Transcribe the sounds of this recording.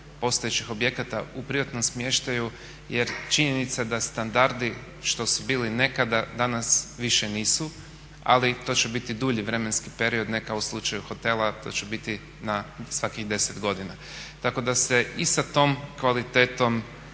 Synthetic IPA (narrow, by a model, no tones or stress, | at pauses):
po̞st̪ojet͡ʃixo̞bje̞kat̪aupɾiat̪no̞msmjeʃt̪aju | je̞ɾt͡ʃiɲe̞nit̪sad̪ast̪and̪aɾd̪i | ʃt̪o̞subiːline̞kad̪ad̪anasʋiʃe̞niːsu | a̰lit̪o̞t͡ʃebit̪id̪uːʎiʋɾe̞me̞nski̥pe̞ɾio̞d̪nekaoslˠut͡ʃajuxo̞t̪e̞lˠat̪o̞̰t͡ʃebit̪i | nasʋakiɣd̪e̞se̞t̪ɡo̞d̪ina | t̪ako̞d̪ase̞isat̪o̞ːmkʋalit̪e̞ːt̪o̞m